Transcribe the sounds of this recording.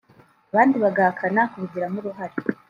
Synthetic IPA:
aβaːndiβaɡahakʰanakuɾuɟiɾamuɾuɦaɾi

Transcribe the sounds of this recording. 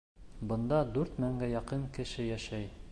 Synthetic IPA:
bɤ̆nd̪ɑd̪ʉɾt̪mæŋɡæjɑqɤŋkɘ̆ʃɘjæʃæj

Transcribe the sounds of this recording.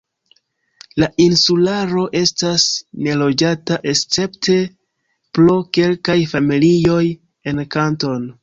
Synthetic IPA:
laʔinsulaɾo̞ʔe̞stasne̞lo̞d͡ʒataʔe̞st͡se̞pte̞ | pɾoke̞lkajfamilio̞j | e̞nkanto̞n

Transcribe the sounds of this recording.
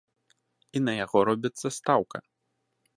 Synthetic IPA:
inɐjaɣɔɾɔbʲit̪sːɐst̪awkɐ̰

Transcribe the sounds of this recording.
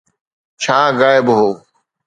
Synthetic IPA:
t͡ʃʰaːɡaːɪbɦoː

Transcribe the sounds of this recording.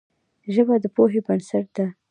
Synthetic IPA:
ʒəbad̪əpoɦebansaʈ̚d̪̥a

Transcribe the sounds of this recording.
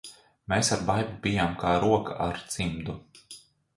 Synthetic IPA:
meːsaɾbajbubijaːmkaːɾuɔka̰ʔa̰ɾt̪simd̪u

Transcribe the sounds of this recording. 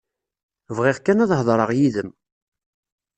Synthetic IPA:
vʁɪʁkːænɑðˤɦəðˤɾˤəʁjiðəm

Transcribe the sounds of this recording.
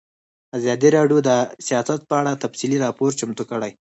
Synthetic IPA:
azɑd̪iɾɑɖjod̪əsijɑsat̪̚pəaɽat̪afsiliɾɑpoɾt͡ʃamt̪ukəɽaj

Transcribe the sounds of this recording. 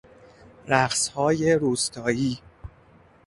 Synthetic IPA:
ɾæqshɒːje̞ɾuːst̪ʰɒːjiː

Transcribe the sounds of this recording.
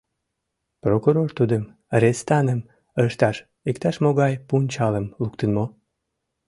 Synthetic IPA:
prokuɾort̪ud̪əm | ɾest̪ɑnəm | əʃt̪ɑʃ | ik̚t̪ɑʃmoɣɑjpunʲt͡ɕɑləmlukt̪ənmo

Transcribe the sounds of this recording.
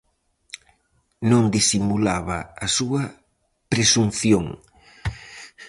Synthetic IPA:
nõŋd̪isimulaβɐ̰ːsuɐ | pɾesunθjoŋ

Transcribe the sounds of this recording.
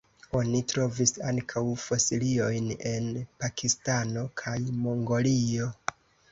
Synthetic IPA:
o̞nitɾo̞visaŋkʰawfo̞silio̞jne̞npakʰistano̞kʰajmoŋɡo̞lio̞

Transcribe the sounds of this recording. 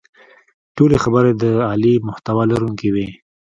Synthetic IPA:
ʈolexabəɾed̪əɑlimʊht̪awalaɾuŋkiwi

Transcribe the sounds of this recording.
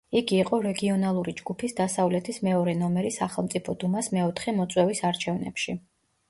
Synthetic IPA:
iɡiːqʼɔɾɛɡiɔnalˠuɾid͡ʒɡupʰisd̪asavlɛt̪ʰismɛɔɾɛnɔmɛɾisaχɛlˠmt̪sʼipʰɔd̪umasmɛɔt̪ʰχɛmɔt̪sʼwɛvisaɾt͡ʃʰɛvnɛ̰pʃi

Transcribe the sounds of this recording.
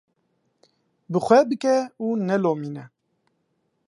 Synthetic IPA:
bɨxʷɛbɨkɛuːnɛloːmiːnɛ

